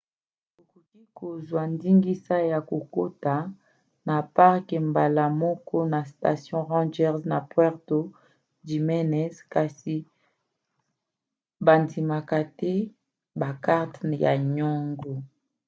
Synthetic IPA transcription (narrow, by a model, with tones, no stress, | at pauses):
to˨ko˨ki˦ko˨zwa˨ndi˦ŋɡi˦sa˦ja˨ko˨ko˦ta˨ | na˨pa˦ʁkɛ˨mba˨la˨mɔ˦kɔ˦na˨sta˨sjɔ̃˦ʁɑ̃˦d͡ʒɛ˦ʁzna˨pwɛ˦ʁto˨ | di˨mɛ˦nɛ˦ska˨si˨ | ba˨ndi˨ma˨ka˨tɛ˦ | ba˨ka˦ʁtja̰˨ɲɔ˦ŋɡo˨